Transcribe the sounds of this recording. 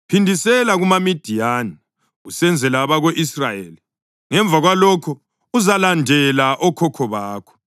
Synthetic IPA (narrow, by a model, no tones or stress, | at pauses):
pʰindʱisɛlaɣumamid̥ʱijani | ɣusɛnd͡zʱɛlaβaɣoʔisrajeːli | ŋɛɱb̪vʱaɣwalɔkʰɔ | uzalandʱɛlaʔɔkʰɔkʰɔβaːkʰɔ̥